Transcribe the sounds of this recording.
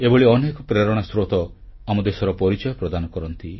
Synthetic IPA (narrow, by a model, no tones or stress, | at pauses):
ebɔɭiɔnekɔpɾeɾɔɽ̃asɾot̪ɔ | amɔd̪esɔɾɔpɔɾit͡ʃɔjɔpɾɔd̪anɔkɔɾɔnt̪i